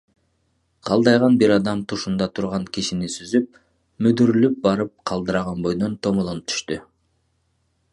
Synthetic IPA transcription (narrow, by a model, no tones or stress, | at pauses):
qʰɑlˠd̪ɑjʁɑnbiɾɑd̪ɑmt̪ʰuʃund̪ɑt̪ʰuɾʁɑŋkiʃinisyzyp̚ | myd̪yɾylyp̚bɑɾɯp̚qʰɑlˠd̪ɯɾɑʁɑnbo̞jd̪o̞nt̪ʰo̞molˠonɯp̚t̪ʰy̥ʃt̪y